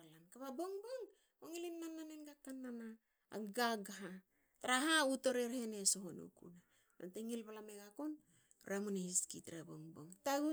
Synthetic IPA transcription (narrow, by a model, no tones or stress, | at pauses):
alankaβaboŋboŋ | oŋilinːananenɡakanːana̰ː | ɡaɡaɦa | taɾaɦauto̞ɾeɾheneso̞ɦonṵkṵna | noteŋilβalameɡakon | ɾamonehiskitɾabo̰ŋbo̞ŋtaɡu